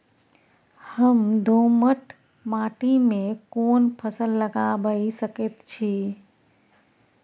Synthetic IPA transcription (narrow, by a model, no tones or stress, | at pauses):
həmd̪ʱoməʈ | maʈimẽkonpʰəsəlːəɡabəisəket̪t͡ʃʰi